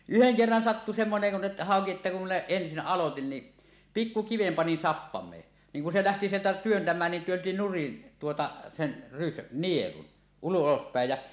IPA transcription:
yheŋ kerːɑn sɑtːu semːoneŋ kun ĕtːæ̥ hɑˑoki etːæ kum minæ ensin ʔɑlotin ni pikːu kiʋem pɑnin sɑpːɑmˑeː niːŋ kun se læhti sieltæ tyøntæmæːn nin tyønti nurin tuotɑ sen rys nielun ulospæˑej jæ

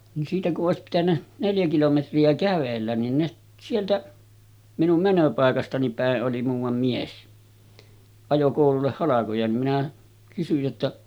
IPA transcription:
ni siːtæ kuʔ ʔoˑesip pitænːæ neljæ kilometriæ kæʋelːæn nin ne sieltæ minum mænøpɑˑekɑstɑni pæˑeʔ ʔoli muːʋɑm mies ɑjo koˑululːeh hɑlɑkojɑ nim minæ kysyj jotːɑ

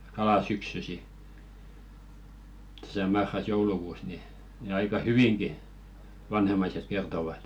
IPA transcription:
kɑlɑˑ syksysi tæ̥sæ mɑrːɑs joulukuːs ni ni ɑikɑ hyʋiŋɡ̊i ʋɑnhemːɑiset kertoʋɑt

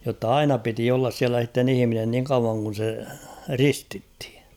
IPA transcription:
jotːɑ ɑinɑ piti olːɑs siælæ s̞itːen ihĭminen niŋ kɑuʋɑŋ kun̞ se ristithi̥

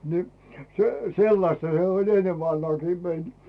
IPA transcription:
ni se selːɑstɑ se olʲ enːeʋ ʋɑnhɑːkiː mein

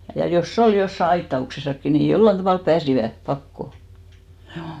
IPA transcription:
jɑ josː ol josːɑ ɑitːɑuksesɑkːi ni jolːɑn tɑʋɑˑlp pæːsiʋæ pɑkːo h̆juː

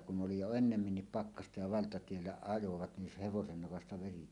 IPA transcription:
kun ʔoli jo enːemːinːip pɑkːɑstɑ jɑ ʋɑltɑtielːæ ɑjoʋɑt nin se heʋosen nokɑstɑ ʋeri

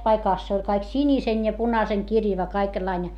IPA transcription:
pɑikɑˑs se olʲ kɑik sinisen jɑ punɑseŋkirjɑʋɑ kɑikelːɑinʲe

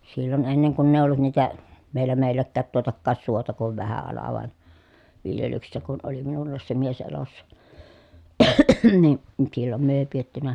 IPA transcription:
silːon enːeŋ kunː eˑi olːut niːtæ ʋielæ meˑi̯lˑækːæːt tuotɑkːɑːs suotɑ kuʋ ʋæhæ ɑlɑ ʋɑˑen ʋiljelyksesːæ kun ʔoli minulːɑːs se mies elosːɑ ni silːom myø eˑi pietːynæ

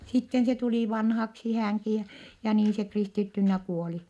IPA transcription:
sitːen se tuliˑ ʋɑnhɑksi hæŋki jɑ jɑ niːn se kristitːynːæ kuoli

